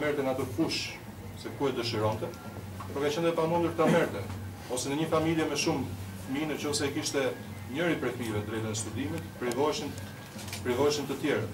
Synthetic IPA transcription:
mɛɾt̪ɛnat̪əfuʃ | sɛkuɛd̪əʃiɾɔnt̪ɛ | pɔɾkat͡ɕɛnd̪ɛpamund̪uɾt̪amɛɾt̪ɛ | ɔsɛnəɲəfamiljɛmɛʃum | minət͡ʃɔsɛkiʃt̪ɛ | ɲəɾipɾɛkivɛt̪ɾɛt̪ənɛst̪ud̪imit̪pɾivɔʃn | pɾivɔjʃənt̪ət̪jɛɾa

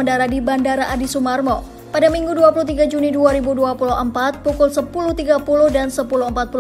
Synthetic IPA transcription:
əndaɾadibandaɾaʔadisumarmɔ | padamiŋɡuduapuluht̪iɡad͡ʒuniduaɾibuduapulʊɦəmpat̪̚pukʊlsəpulʊht̪iɡapulʊhdansəpulʊhəmpat̪̚pu

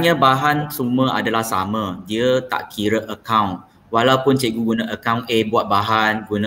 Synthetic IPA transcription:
ɲãbaɦansumə̃ʔa̰dalahsa̰mə̃diət̪a̰ʔkʰiɾəʔəkawn | walaupʊnt͡ʃeɡuɡunãʔəkawnebuat̪̚baɦanɡunã

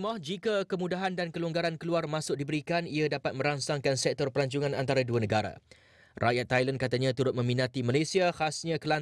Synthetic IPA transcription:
mɔhd͡ʒikakəmũdaɦandankəlɔŋɡaɾankəluarmãsʊk̚dibəɾikaniadapat̪̚mə̃ɾaŋsaŋkansɛk̚t̪ɔrpəlaɲt͡ʃuŋãnant̪aɾaduanə̃ɡaɾa̰ | rʔajat̪ːajlankat̪aɲãt̪uɾʊt̪̚mə̃mĩnãt̪imalasiahasɲãkəla

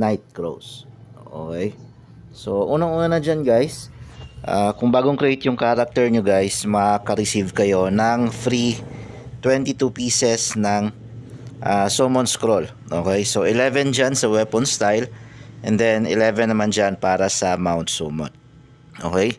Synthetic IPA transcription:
najt̪̚kɹo̰wsʔoʔo̰ːkɛj | so̞ʔuːnɐŋʔuːnɐnɐd͡ʒanɡajsʔa̰kʊŋbaːɡoŋkɾɛʔejt̪jʊŋkaːɾɐk̚t̪ɛɹɲʊɡajsmɐkɐɾɪsivkɐjo̞nɐŋfɾi | t̪wɛnt̪it̪upiːsɛsnɐŋ | ʔasomonskɾol | ʔoːkɛjso̞ʔɪlɛvɛnd͡ʒansɐwɛpɔnst̪ajlʔɛ̃nd̪ɛnɪ̰lɛvɛnːɐmand͡ʒanpaːɾɐsɐmawnt̪̚somo̰n̚ | ʔoːkɛj

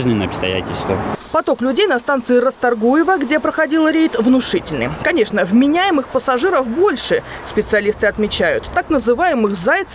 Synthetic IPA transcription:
ʐnʲɪnəɐpst̪ɐ̰jæ̰tʲɪlʲst̪vəpɐt̪o̞klʲʉdʲejnɐst̪ant̪sɨɪɾəst̪ɐrɡujɪvəɡdʲe̞pɾəxɐdʲilˠɾʲejt̪vnʊʂɨtʲɪlʲnɨ̰jkɐnʲe̞ʂnəvmʲɪnʲæjɪmɨxpəsɐʐɨɾəfbo̞lʲʂɨ | spʲɪt̪sɨɐlʲist̪ɨɐt̪mʲɪt͡ɕæjʊ̰t̪ːaknəzɨvajɪmɨxzajt̪s

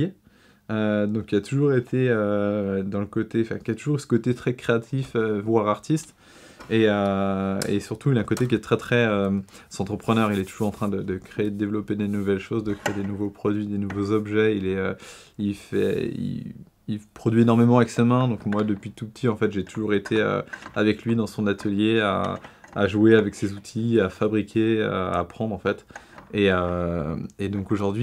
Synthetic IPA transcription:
ød̪ɔ̃kilat̪uʒuʁet̪ʰeød̪ɑ̃ləkot̪eɑ̃fɛ̰̃kʲiat̪uʒuʁsə̥kot̪et̪χɛkχeat̪ʰiføvwaʁaʁt̪ist̪ | eø | ḛsyʁt̪uilaɛ̃kot̪ek̬ʲiɛt̪χɛt̪χɛøzɑ̃t̪χəpχənœʁilɛt̪u̥ʒuʁɑ̃t̪χɛ̃d̪əd̪əkχeːd̪d̪evlɔped̪enuvɛlʃozd̪əkχeed̪enuvopχɔd̪ɥid̪enuvozɔbʒɛilɛø | ilfɛ̰ḭ | ilpχɔd̪ɥienɔʁmemɑ̃aɛksemɛ̃d̪ɔ̃kmwad̪əpɥit̪upə̥t̪ʰiɑ̃fɛt̪ʒet̪uʒuʁet̪ʰeø̰avɛklɥid̪ɑ̃səɔ̃d̪at̪ʰəljea̰aʒueavɛksezut̪ʰiafabʁikʲʰeø̰a̰pχɑ̃d̪ʁɑ̃fɛt̪ | eø | ed̪ɔ̃koʒuʁd̪ɥi

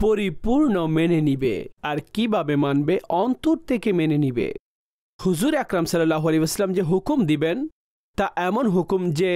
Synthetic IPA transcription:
poɾipuɾnomenenibḛaɾkibʱabemanbeʔɔnt̪oɾt̪ʰekemenenibḛ | huzuɾeakɾamsɐlːɐlːaɦoaleʋɐsəlːamd͡ʑeɦukumd̪iben | t̪aʔɛmonɦukumd͡ʑe

